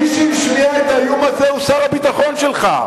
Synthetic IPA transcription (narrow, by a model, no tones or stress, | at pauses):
iʃɛmiʃmiaet̪ajumazeusaɾabit̪aχo̞nʃelχa̰